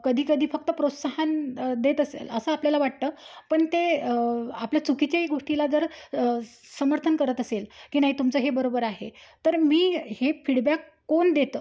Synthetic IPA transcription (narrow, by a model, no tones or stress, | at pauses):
kəd̪ʱiːkəd̪ʱiːfək̚t̪əpɾot̪saɦand̪et̪əsḛləsəapljalaʋaʈ̚t̪əpəɳt̪e | apljat͡sukit͡ɕaeɡoʂʈilad͡zəɾ | səməɾt̪ʰənkəɾət̪əselkiːnaɦiːt̪umt͡səːɦebəɾobəɾaɦet̪əɾmiːhefiɽbakːoɳd̪et̪ə